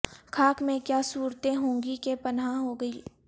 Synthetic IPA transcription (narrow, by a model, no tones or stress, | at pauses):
kʰaːkmẽkjaːsuːɾt̪ẽɦõːŋɡikepɐnɦãɦoɡɐiː